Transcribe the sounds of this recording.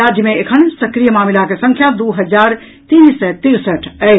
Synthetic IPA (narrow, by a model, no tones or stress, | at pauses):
aːd͡ʒjəmẽekʰənsɐkɾijəmaːmilakesə̃ŋkʰjad̪uɦəd͡ʒaːɾ | t̪iːnsɛt̪iɾsəʈʰə